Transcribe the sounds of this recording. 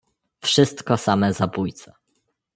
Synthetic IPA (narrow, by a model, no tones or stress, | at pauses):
fʂɘst̪kɔsamɛzabujt̪sɛ